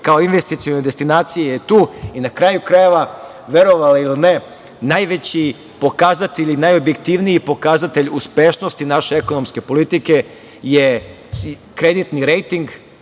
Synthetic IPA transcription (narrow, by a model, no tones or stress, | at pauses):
kao̞inʋest̪it̪sioned̪est̪inaːt̪sijejet̪uːinakɾajukɾaje̞ʋa | ʋe̞ɾo̞ʋalailine | najʋe̞t͡ɕi | po̞kazat̪eʎinajo̞bje̞kt̪iʋnijipo̞kaːzat̪eʎuspeʃno̞st̪inaʃeeko̞nomske̞po̞lit̪ike̞ | je | kɾe̞d̪it̪niɾe̞jt̪iŋɡ